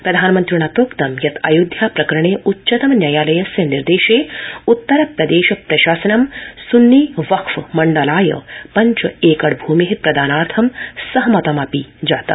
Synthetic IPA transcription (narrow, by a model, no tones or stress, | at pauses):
pɾɐd̪ʱaːnmɐnt̪ɾuɳaːt̪oːkt̪ɐmjɐt̪ʰɐ̰jud̪ʱjaːpɾɐkɐɾɐɳeːʔutːʃɐt̪ɐmnjajaːlɐjɐsjɐniɾd̪eːʃeːut̪ːɐɾɐpɾɐd̪eːʃɐpɾɐʃaːsɐnɐmsunːiʋɐkʰʋmɐɳɖɐlaːjɐ̰pɐɲt͡ʃɐeːkɐɽbʱuːmiɦipɾɐd̪ʱaːnaːɾt̪ʰɐmsɐɦɐmɐt̪ɐmɐpid͡ʒaːt̪ɐ̰